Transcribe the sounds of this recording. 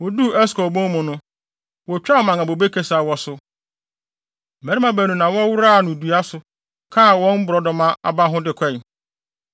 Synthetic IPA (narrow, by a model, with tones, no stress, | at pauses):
wɔ˨du˦ɛ˦skɔ˨bɔ̃˦mʊ̃˨nʊ̃˦ | wɔ˨t͡ɕᶣa˦˨mã˨ŋa˨bo˨be˦kʰe˦sa˨wɔ˨sʊ˨ | mæ˨ɾi˦mã˦bæ˨nũ˨nã˨wɔ˦wʊ˦ɾa˦˨nʊ̃˨du˨a˦sʊ˨ | kʰa˦˨wɔ̃˦m̩˦bʊ˨ɾɔ˨dɔ˨mã˦a̰˨ba˦ɦʊ̃˦dɪ˨kʰɛ̃˦˨n